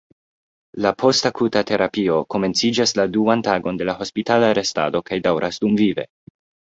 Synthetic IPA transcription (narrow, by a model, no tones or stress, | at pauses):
lapʰo̞stakʰutatʰe̞ɾapio̞ko̞me̞nt͡sid͡ʒasladuantaɡo̞nde̞laho̞spitalaːɾe̞sta̰do̞kajdawɾʔasdumvive̞̰